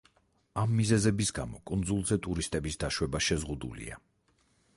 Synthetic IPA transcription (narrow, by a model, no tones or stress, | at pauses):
amːizɛzɛbisɡamɔkʼund̪zulˠzɛt̪ʼuɾist̪ʼɛbisd̪aʃwɛbaʃɛzʁud̪ṵlḭa̰